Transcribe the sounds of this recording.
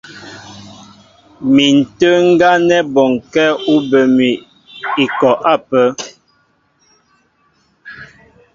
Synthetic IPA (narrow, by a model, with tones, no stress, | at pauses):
mi˨n̩˨tə˦ŋ̩˦ɡa˦nɛ˦bɔ˨ŋkɛ˦u˦bə˨mi˨ | i˨kɔ˨ʔa˦˨pə˦